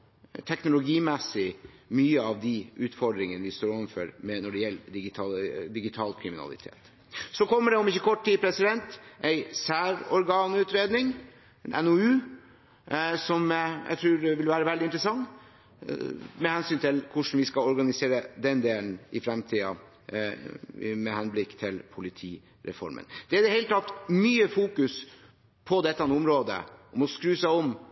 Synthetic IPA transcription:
t̪ʰɛknʊlʊɡiːmɛsɪmyːəɑʋd̪ɪʔʉːt̪fɔɖ̪ɾɪŋənəʋɪst̪oːɾɔʋmfœɾmɛnɔɖɛjɛlːd̪ɪɡɪt̪ʰɑd̪ɪɡɪt̪ʰɑːlkʰɾɪmɪnɑ̰lɪ̰t̪ʰḛːt̪ | sɔkʰɔmːəɖɛʊmɪçːəkʰɔʈːʈiːpʰɾɛsɪd̪ɛnt̪ʔæɪsæːɾɔɾɡɑːnʉːt̪ɾeːd̪nɪŋ | nʔɛ̰nɔʉː | sɔmjʔæ̰ɪt̪ʰɾʉːɾʋɪlʋæːɾəʋɛld̪ɪnt̪ɾəsɑŋː | mɛhɛnsyːnt̪ʰɪlkʰʊʂn̩ʋɪskɑɔɾɡɑnɪseːɾəd̪ɛnd̪eːln̩ɪfɾɛmt̪ʰiːɑ̰ | mɛhɛnblɪkːt̪ʰɪlpʰʊlɪt̪ʰiː | ɾɛ̰fɔ̰ɾmə̰nd̪̥ɛæɾd̪ɛhɛɪlət̪ʰɑt̪ːmyːəfuːkʉs | pʰɔd̪ɛt̪ːəhɑnʊmɾoːd̪ə̰ʔɔmɔskɾʉːsæɪɔm

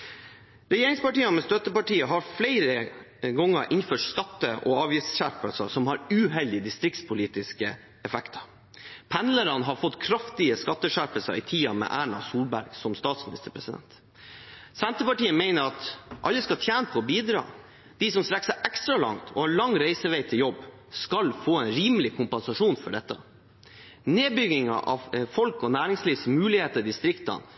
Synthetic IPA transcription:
ɾɛjeːɾɪŋspɑʈiːɑmɛst̪œt̪əpɑʈiːəɦɑɾflæɪɾə | ɡɔŋːəɾʔɪnføːʈskɑt̪ːəʔɔ̰ɑːʋjɪsɕæɾpəlsəsɔmhɑɾʉːɦɛld̪ɪəd̪ɪst̪ɾɪk̚t̪spʰʊliːt̪ɪskə | ɛfɛkt̪ʰɑ̥ | pʰɛnləɾɑnɦɑɾfɔt̪ːkʰɾɑft̪ɪəskɑt̪ːəʂæɾpəlsə̰ʔɪ̰t̪ʰiːɑmɛ̰ʔæːɳɑ̰suːlbæɾɡ̥sɔmst̪ɑːt̪smɪnɪst̪əpʰɾɛsɪd̪ɛ̰nt̪ | sɛnt̪əpɑʈiːəmeɪnəɾɑt̪ʔɑlːəskɑt̪ʰjæːnəpʰɔːbiːd̪ɾɑ̰ː | d̪̥ɪsɔmst̪ɾɛksəʔɛkst̪ɾɑlɑ̰ŋt̪ʰɔ̰hɑɭɑŋːɾæɪsəʋæɪt̪ʰɪljɔbː | skɑlfoːɛnɾiːməlɪkʰʊmpɛnsɑʂuːnfɔɖɛt̪ːɑ̰ | neːbʏɡɪŋɑ̰ʔɑ̰ʋfɔlkɔnæːɾɪŋsliːʋsmʉːlɪheːt̪əɾd̪ɪst̪ɾɪkt̪ɑ̰n

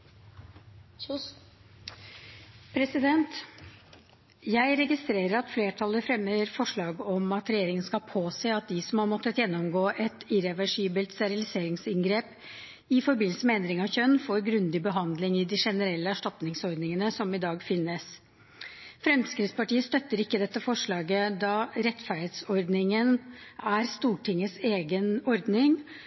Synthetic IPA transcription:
pʰɾɛsɪd̪ɛnt̪ | jæɪɾɛɡɪst̪ɾeːɾəɾɑt̪fleːʈʰɑlːəfɾɛmːəɾfɔʂɭɑːɡɔmɑt̪ɾɛjeːɾɪŋənskɑpʰoːseːɑt̪̚d̪ɪsɔmhɑɾmɔt̪ːət̪jɛnːɔmɡoːʔɛt̪ɪɾɛʋæʂiːbəlt̪st̪ɛɾɪlɪseːɾɪŋsɪŋɡɾeːp | ɪfɔɾbɪnl̩səmɛɛnd̪ɾɪŋɑʋçœnːfoːɾɡɾʉnd̪ɪbəɦɑnd̪lɪŋɪd̪ɪʂɛnəɾɛlːəæʂʈɑt̪nɪŋsɔɾd̪nɪŋənəsɔmɪd̪ɑːɡfɪnːəs | fɾɛmskɾɪt̪spɑʈiːəst̪œt̪ːəɾɪkːəd̪ɛt̪ːəfɔʂɭɑːɡəd̪ɑɾɛt̪fæɾheːt̪sɔɾd̪nɪŋənæɾst̪uːʈʰɪŋːəseːɡənɔɾd̪nɪŋ

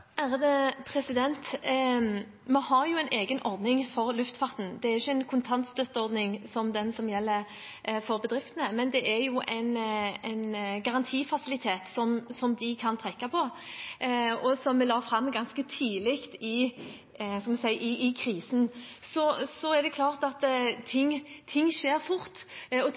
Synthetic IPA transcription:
hæʁəd̪əpʰɾɛsɪd̪ɛnt̪ | mɛhɑɾjʊɛɪnʔeːɡənʔɔɾd̪nɪŋfɔʁlʉft̪fɑʁt̪n̩d̪ɛæɾʁɪçːəɛɪnkʰʊnt̪ʰɑnt̪st̪œt̪ːəɔʁd̪nɪŋsɔmd̪ɛnsɔmjɛlːəɾ | fɔʁbəd̪ɾɪft̪ənəmɛnd̪ɛʔæjʊʔæɪnɛɪnɡɑʁɑnt̪ʰiːfɑsɪlɪt̪ʰeːt̪sɔmsɔmd̪ɪkʰɑnt̪ʰʁɛkːɑpʰɔ | ɔsɔmːɛlɑːfɾɑmːɡɑnskət̪ʰiːlɪkt̪ɪ | skɑmɛsæɪʔɪʔɪkʰɾiːsn̩sɔsɔæd̪ɛkʰlɑːʁt̪ɑt̪t̪ʰɪŋt̪ʰːɪŋːʂeːɾfʊʁt̪ɔ

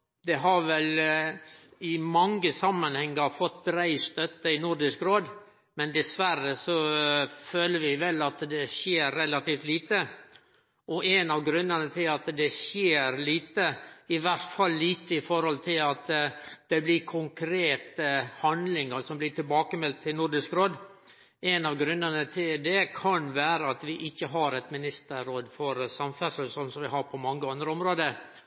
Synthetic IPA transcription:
d̪ɛɦɑɾʋɛl | ɪmɑŋːəsɑmːɑnhɛŋːəɾfɔt̪ːbɾæɪst̪œt̪ːəɪnʊɾɖɪskɾoːd̪ | mɛnd̪ɛsʋæɾəsɔføːləɾʋɪʋɛlːɑt̪d̪ɛʃjeːɾːɛlɑt̪iːft̪liːt̪ə | ʔɔʔɛnɑʋɡɾʉnːənət̪ʰɪlɑt̪d̪ɛʃjeːɾliːt̪əɪʋæɾt̪fɑlːiːt̪əɪfɔɾhɔlt̪ʰɪlɑt̪d̪̥ɛblɪkʰʊŋkʰɾeːt̪əhɑnd̪lɪŋəɾsɔmblɪʈʰɪlbɑːkəmɛlt̪ʰːɪlnʊɾɖɪskɾoːd̪ | ʔɛnɑʋɡɾʉnːənət̪ʰɪld̪ɛkʰɑnʋæːɾəɑt̪ʋɪʔɪçːəɦɑɾɛt̪mɪnɪst̪əːoːd̪fɔɾsɑmfæsəsɔnsɔmʋɪɦɑɾpʰɔmɑŋːəɑnd̪ɾəɔmɾoːd̪əɾ

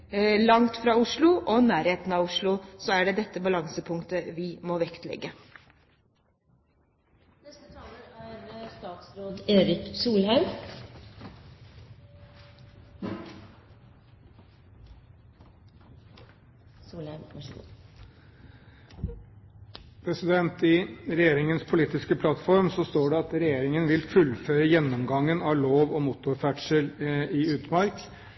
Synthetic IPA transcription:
lɑŋt̪fɾɑːʊʂɭʊʔɔnæːɾheːt̪n̩ɑːʋʊʂɭʊsɔæɖɛd̪ɛt̪ːəbɑlɑŋsəpʰʊŋkt̪əʋɪmoːʋɛkt̪lɛ̰ɡːə | nɛst̪ət̪ʰɑːləæɾst̪ɑːt̪sɾoːd̪eːɾɪksuːlhɑʉm | pʰɾɛsɪd̪ɛnt̪ɪɾɛjeːɾɪŋənspʰʊliːt̪ɪskəpʰlɑt̪fɔɾmsɔst̪oːɖɛɑt̪ɾɛjeːɾɪŋənʋɪlfʉlføːɾəjɛnːɔmɡɑŋːənɑʋloːʋɔmʊt̪ʊɾfæʈʂəlɪʉːt̪mɑɾk

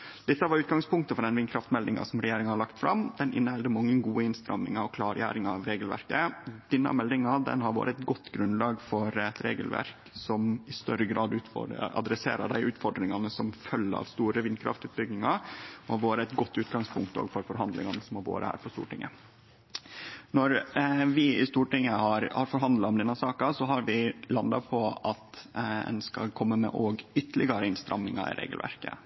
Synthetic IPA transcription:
d̪̥ɪt̪ːəʋɑɾʉːt̪̚ɡɑŋspʊŋkt̪əfɔɖ̪ɛnʋɪnkʰɾɑft̪mɛld̪ɪŋɑ̰sɔmɾɛjeːɾɪŋənhɑlɑkt̪fɾɑmd̪̥ɛnʔɪnːəhɛld̪əmɑŋːənɡuːəɪnst̪ɾɑmːɪ̰ŋɑɔkʰlɑːɾjæ̰ːɾɪŋɑɑʋɾeːɡəlʋæ̰ɾkəd̪̥ɪnːɑ̰mɛld̪ɪŋɑd̪ɛ̰nhɑɾʋo̰ːɾəɛt̪ɡɔt̪ːɡɾʉnlɑːɡfɔɾɛt̪ɾḛːɡəlʋæ̰ɾk | sɔmɪst̪œɾəɡɾɑːd̪ʉːt̪fɔ̰ɖə̰ʔɑ̰d̪ɾɛsḛːɾɑ̰d̪æɪʔʉːt̪fɔɖɾɪŋɑnəsɔmfœlːɑ̰ʋst̪uːɾəʋɪnkʰɾɑ̰ft̪ʉːt̪̚bʏɡnɪŋɑɔhɑʋoːɾəɛt̪ɡɔt̪ːʉːt̪ɡɑŋspʰʊŋkt̪o̰ːɡfɔɾfɔɾɦɑnd̪lɪ̰ŋɑnəsɔmɑʋo̰ːɾə̰hæ̰ːɾpʰɔst̪ṵːʈɪŋːə | nɔɾʋɪɪst̪uːʈɪŋːəhɑɾhɑɾfɔɾɦɑnd̪lɑɔmd̪ɛnːɑsɑːkɑsɔɦɑɾʋɪlɑnd̪ɑpʰɔɑt̪ɛ̰nskɑ̰lkʰɔmːəmɛ̰ʔoːɡʏt̪ːəlɪɡɑɾəɪnst̪ɾʔɑmnɪŋɑ̰ɪ̰ɾḛːɡəlʋæ̰ɾkə̰

